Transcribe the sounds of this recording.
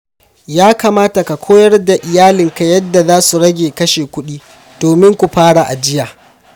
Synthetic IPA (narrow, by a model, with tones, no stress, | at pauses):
jaː˦kaː˨maː˦ta˨ka˨kʷʰoː˦jɐ˦rda˨ʔɪ˨jaː˦lɪ˨ŋka˨jɐ˦dːa˨zaː˦su˨ɽɐ˦ɡʲeː˨kɐ˦ʃeː˨kʷʊ˦ɗiː˦ | d̥oː˨mɪ˦ŋkʷu˨ɸaː˦ɽa˨ʔa̰˨d͡ʒɪ˦jaː˨